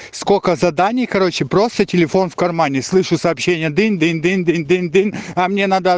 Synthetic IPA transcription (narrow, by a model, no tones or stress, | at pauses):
skokəzɐd̪anʲɪjkɐɾo̞t͡ɕɪpɾo̞st̪ətʲɪlʲɪfo̞nfkɐrmanʲɪslˠɨʂʊsɐːpɕːenʲɪjəd̪ɨnʲd̪ɨnd̪ɨnd̪ɨnd̪ɨnd̪ɨnɐmnʲenad̪ə